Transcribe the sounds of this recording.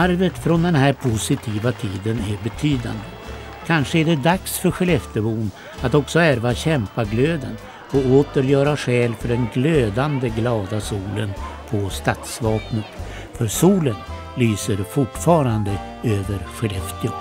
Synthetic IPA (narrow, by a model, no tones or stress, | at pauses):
aɾvət̪fɾɔnd̪ɛnhæɾpʰʊsɪt̪ʰiːvat̪ʰiːd̪ənæɾbɛt̪ʰyːd̪a̰nd̪ə | kʰanʂəæɖɛd̪aksfœɾɧɛlɛft̪əbuːn | at̪ɔksɔæɾvaɕɛmpaɡløːd̪ən | ɔoːt̪əɾjœːɾaɧɛːlfœɖɛnɡløːd̪and̪əɡlɑːd̪asuːlənpʰɔst̪at̪svɑːknət̪ | fœɾsuːlən | lyːsəɾfʊʈfɑːɾand̪ə | øːvəɾɧɛlɛft̪ə